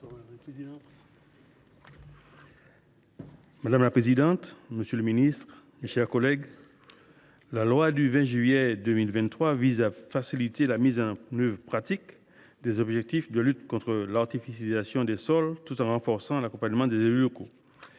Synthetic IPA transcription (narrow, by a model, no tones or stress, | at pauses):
pz | mad̪amlapχezid̪ɑ̃t̪məsjøləminist̪χ | meʃɛʁkɔlɛɡ | lalwad̪yvɛ̃ʒɥyjed̪ømilvɛ̃t̪ːχwavizafasilit̪elamizɑ̃nøvʁpχat̪ik | d̪ezɔbʒɛk̚t̪ifd̪əlyt̪kɔ̃t̪χəlaʁt̪ifisjalizasjɔ̃d̪esɔlt̪ut̪ɑ̃ʁɑ̃fɔʁsɑ̃lakɔ̃paɲmɑ̃d̪ezelylɔko